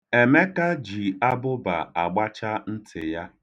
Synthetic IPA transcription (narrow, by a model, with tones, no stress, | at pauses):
e˨me˦ka˦d͡ʒi˨a˦bʊ˦ba̰˨a˨ɡ͡ba˦t͡ʃa˦n̩˦tʰɪ̰˨ja˦